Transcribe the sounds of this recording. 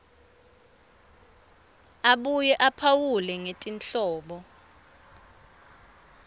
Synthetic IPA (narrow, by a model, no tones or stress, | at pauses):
aɓujɛʔapʰawulɛŋetʼinɬɔːɓɔ